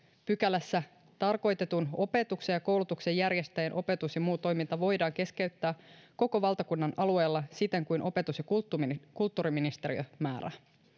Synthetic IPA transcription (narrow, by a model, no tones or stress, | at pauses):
pykælæsːæ | t̪ɑrko̞jt̪e̞t̪uno̞pe̞t̪ukse̞jɑko̞wlut̪ukse̞jːærjest̪æjenʔo̞pe̞t̪usjɑmuːt̪o̞jmint̪ɑʋo̞jdɑːŋk̟e̞ske̞yt̪ːæːko̞ko̞ʋɑlt̪ɑkunːɑnʔɑlue̞ːlːɑsit̪ːeŋkujnʔo̞pet̪usjɑk̪ːkult̪ːuːɾiminist̪e̞ɾiø̰mæːɾæ̰